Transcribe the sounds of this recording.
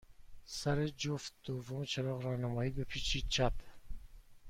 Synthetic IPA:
sæɾed͡ʒoft̪̚d̪̥ovomet͡ʃʰeɾɒːɣɾɒːhnæmɒːiːbepʰiːt͡ʃʰiːt͡ʃʰæp

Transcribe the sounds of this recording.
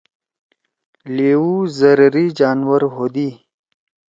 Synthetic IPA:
leːwuzəɾɾid͡ʒaːnwəɾɦod̪i

